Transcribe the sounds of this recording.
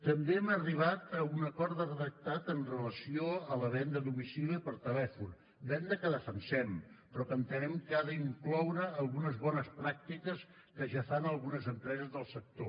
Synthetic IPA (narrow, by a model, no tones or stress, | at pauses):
t̪əmbeɛməriβ̞at̪əunəkɔɾt̪ðərəðək̚t̪at̪ənrələsioələβɛnd̪əðumisiliəpəɾt̪əlɛfun | bɛnd̪əkəðəfənsɛmpɾɔkənt̪ənɛmkaðəiŋklɔwɾəːlˠɣunəzβɔnəspɾak̚t̪ikəs | kəʒafanəlˠɣunəzəmpɾɛzəzðəlˠsək̚t̪o